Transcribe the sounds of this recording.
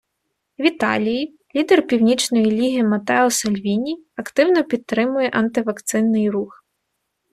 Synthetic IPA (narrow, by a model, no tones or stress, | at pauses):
ʋʲit̪ɑ̰lʲiji | lʲid̪erpʲiwnʲit͡ʃnɔjilʲiɦimɐt̪ɛɔsɐlʲʋʲinʲiɐkt̪ɪwnɔpʲit̪ːɾɪmʊjɛʔɐnt̪ɪʋɐkt̪sɪnːɪjrux